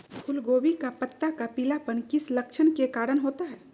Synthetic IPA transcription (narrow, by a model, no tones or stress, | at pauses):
kʰʊlɡoːwikapət̪ːakapilapənkɪsləkt͡ʃʰənkekaːɾəɽɦoːt̪aɦɛː